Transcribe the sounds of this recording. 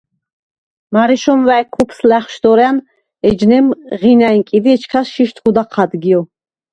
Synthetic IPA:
maɾɛʃɔmvaɛkʰupʰslæχʃd̪ɔɾɛan | ɛd͡ʒnɛmʁinainkʼid̪iɛt͡ʃʰkʰasʃiʃt̪ʰkʰud̪aqʰad̪ɡiɔ

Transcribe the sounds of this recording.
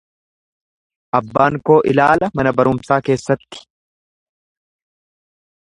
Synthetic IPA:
ʔɐbːaːŋko̞ːʔɪlaːlɐmɐnɐbɐɾʊmsaːke̞ːsːɐt̪ːɪ̥

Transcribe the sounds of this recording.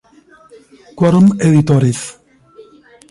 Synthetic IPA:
kwɔɾmeðit̪ɔɾiθ

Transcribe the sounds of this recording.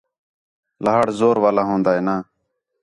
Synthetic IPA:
ləɦaːɽzoːɾʋaːlaːɦõːnd̪aːɦeːnaː

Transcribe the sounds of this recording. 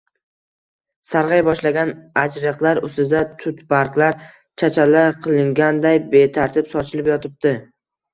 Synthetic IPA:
saɾʁɑjbɒʃlaɡʲanad͡ʒɾɨqlˠaɾʊst̪ɪd̪at̪ʰʊt̪baɾklaɾ | t͡ʃʰat͡ʃʰalaqʰɨlˠɪŋɡʲand̪ajbe̞t̪ʰaɾt̪ʰɪpsɒt͡ʃʰɪlɪpjɒt̪ʰɪp̚t̪ɪ

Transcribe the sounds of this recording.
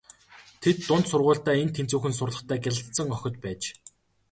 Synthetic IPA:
t̪ʰet̪ːʊnt̪sʊrʁʊːɮɬt̪æːent̪ʰent͡suːxɘ̆nsʊrɮə̆χt̪ʰæːɡʲæɮə̆t̪sə̆ŋœxʲɪ̆t̪̚pæːt͡ɕ

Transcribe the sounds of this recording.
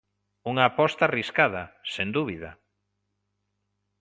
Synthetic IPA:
uŋaːpɔst̪ariskaðɐsend̪uβiða̰

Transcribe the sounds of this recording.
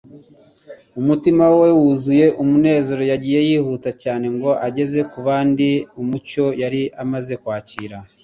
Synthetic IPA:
umutimawe̞wuzuje̞ʔumune̞ːzo̞ɾo̞jaɟiːje̞jiːhutacaːne̞ŋɡo̞ʔaɟe̞ze̞kuβaːndiumuco̞jaɾiʔamaze̞kwaːciːɾa

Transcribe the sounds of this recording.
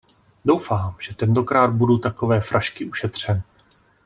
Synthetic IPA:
do̞wfaːmʒ̥ɛt̪ɛnt̪o̞kɾaːd̪̚budut̪ako̞vɛːfɾʔaʃkɪʔuʃɛt̪r̝̥ɛnɪ

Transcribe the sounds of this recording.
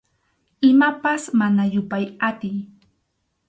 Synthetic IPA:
ɪmapasmanajʊpajat̪ɪj

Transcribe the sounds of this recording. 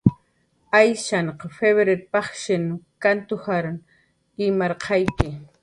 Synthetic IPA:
ajʃaɴqɑfeβeɾeɾpɑχʃɪnkant̪ʊhaɾʊn | ɪmɑɾqʰɑjkɪ

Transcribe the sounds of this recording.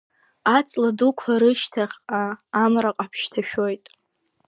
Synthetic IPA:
at͡sʼladukʷʰaɾɨʃtʰaχʲaːmɾaqʼapʰʃtʰaʃᶣo̞jtʼ

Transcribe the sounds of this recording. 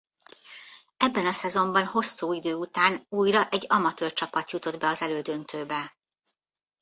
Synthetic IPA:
ɛbːɛnɒsɛzo̞mbɒnho̞sːuːid̪øːut̪aːnuːjrɒʔɛɟːɒmɒt̪øːrt͡ʃɒpɒt̪jut̪o̞d̪bɛɒzɛløːd̪ø̞nt̪ʰøːbɛ

